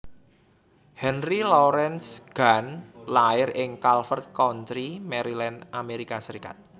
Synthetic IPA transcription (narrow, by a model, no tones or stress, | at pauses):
hɛnrilɔɾɛnsɡ̥anlaɪɾɪŋkalfərt̪̚kɔntɾimɛɾilɛnameɾikasəɾika̰t̪̚